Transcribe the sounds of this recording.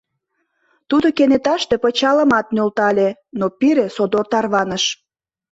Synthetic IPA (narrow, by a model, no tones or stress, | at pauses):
t̪ud̪okenet̪ɑʃt̪epət͡ɕɑləmɑt̪̚nølt̪ɑlʲenopiɾesod̪ort̪ɑrβɑnəʃ